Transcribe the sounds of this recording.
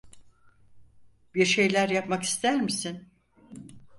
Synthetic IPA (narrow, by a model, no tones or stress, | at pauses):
biɾʃe̞jlʲæɾjapmaki̥st̪ʰæɾmisin